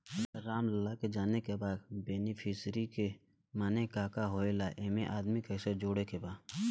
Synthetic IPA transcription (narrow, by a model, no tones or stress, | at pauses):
ɐɾaːmlɐlaked͡ʒaːnekebaːd̪beːnipʰɪsɾike | maːnekaːkaɦoːelaʔemẽʔaːd̪mikɐsəɾd͡ʒoːɽekebaːd̪